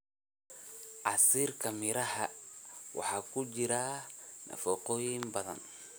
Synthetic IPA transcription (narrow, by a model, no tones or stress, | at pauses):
ʕɑsiːrkʰɐmɪɾɐhɐwʔɑ̰ħɑːkʰʊt͡ʃɪɾɐnɐ̰fɔqɔːjɪnbɐðɐ̰n